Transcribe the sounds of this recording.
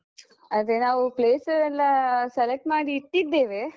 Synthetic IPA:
ɐd̪enaːʋupleːsɐɾɛlːasɛlek̚ʈmaːɽiːʈːid̪ːeːʋeː

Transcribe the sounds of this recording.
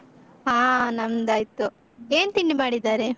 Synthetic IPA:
ɦaːnɐmd̪aːjt̪u | eːnt̪iɳɖimaːɽid̪aːɾe

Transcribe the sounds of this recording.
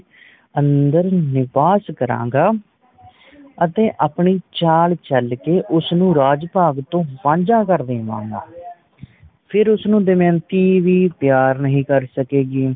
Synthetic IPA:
ənd̪əɾnɪpaːskəɾã̰ːɡaː | ət̪eːʔaːpɳiːt͡ʃaːlt͡ʃəlkeːʔʊsnũːɾaːd͡ʒpaːɡt̪õːpãːɲd͡ʒãːkəɾd̪eːʋã̰ːɡa̰ː | pʰɪɾʊsnũːd̪eːmɛ̃ːnt̪iːʋiːpjaːɾnəɦĩːkəɾsəkeːɡiː

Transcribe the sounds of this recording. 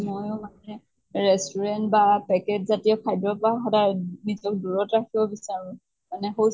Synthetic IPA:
mojʊmanɛ | ɹɛstɔɹɛntbapɛkɛtzatijɔkʰajdɔpɔaxɔdanizɔk̚duɹɔtɹakʰibɔbisaɹʊ̃ | manɛxo

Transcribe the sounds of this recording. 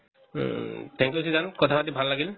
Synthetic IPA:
tʰɛ̃ŋkiosizankɔtʰabat̬ibʱalːaɡil

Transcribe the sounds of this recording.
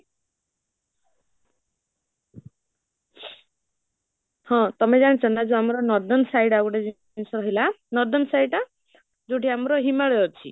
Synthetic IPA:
hɔ̃t̪ɔmed͡ʒañet͡ʃʰɔnad͡ʒuamɔɾɔnɔd̪ɔnsajɽaɡuʈed͡ʒ | nsɔɾɔɦilanɔɾd̪ɔnsajʈa | d͡ʒowʈʰiamɾɔɦimaɽeɔɾt͡ʃʰḭ

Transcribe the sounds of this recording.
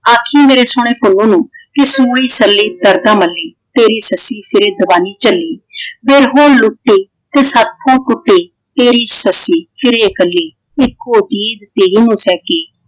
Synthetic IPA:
aːkʰiːmeːɾeːsʊɽ̃eːpʊlːõːnũːkɪsuːɽiːsəlːiːd̪əɾd̪ãːməlːiːt̪eːɾiːsəsiːpʰɪɾeːd̪əʋaːniːt͡ʃəliːbeːɾɦoːlʊʈːeː | t̪eːsaːt̪ʰːõːʈʊʈːeː | t̪eːɾiːsəsiːpʰɪɾeːkəlːiː | ɪkːoːt̪iːd͡ʒt̪eːɾiːnũːsɛːkeː

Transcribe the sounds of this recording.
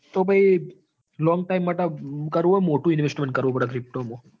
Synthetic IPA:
t̪obʱai | lɔŋɡʈaimːaʈekəɾʋũɦɔjmoʈũɪnʋesʈmeɳʈ̚kəɾʋũpəɽakɾɪp̚ʈomo

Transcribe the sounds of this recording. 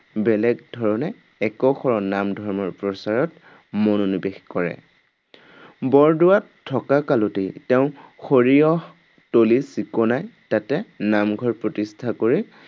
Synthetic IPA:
bɛlɛɡ̚dʱɔɹɔnɛː | kɔxʰɔɹɔnamdʱɔɹmɔɹpɹɔsaɹɔt | mononibexkɔɹɛ̰ | bɔɹdʊwatʰːɔkakalotetɛʊ̃xoɹiɔ | tolisikɔnajtatɛnamɡʱɔɹpɹɔtistʰakoɹi

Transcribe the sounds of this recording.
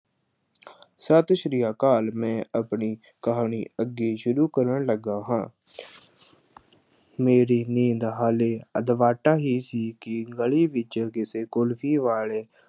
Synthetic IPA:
sət̪ʃɾijaːkaːlmɛ̃ːəpɳiː | kəɦaːɳiːəɡːeːʃʊɾuːkəɾəɳləɡaːɦãː | meːɾiːnĩːnd̪ɦaːleːə̰d̪ʋaːʈaːɦiːsiːkɪɡəɭiːʋɪt͡ʃkɪseːkʊlfʰiːʋaːleː

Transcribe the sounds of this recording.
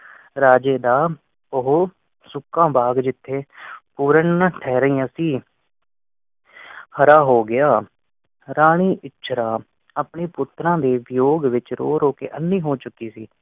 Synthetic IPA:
ɾaːd͡ʒeːd̪aː | ʊɦo | sʊkːãːbaːɡd͡ʒɪt̪ʰːeːpuːɾəɳʈʰɛːɾəĩːãsiː | həɾaːɦoːɡɪjaː | ɾaːɽ̃iːʔɪtːʃʰɾãː | apɳeːpʊt̪ɾãːd̪eːʋɪjoːɡʋɪt͡ʃɾo̰ːɾoːkḛːʔənːiːɦoːt͡ʃʊkːiːsiː

